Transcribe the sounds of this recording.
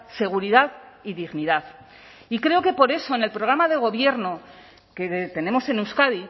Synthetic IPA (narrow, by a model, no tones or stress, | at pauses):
se̞ɣ̞uɾiðaðiðiɣniðaθ | ikɾe̞oke̞po̞ɾe̞so̞ene̞lpɾo̞ɣ̞ɾamaðe̞ɣ̞o̞βje̞ɾno̞ | ke̞t̪e̞ne̞mo̞se̞nuwskaði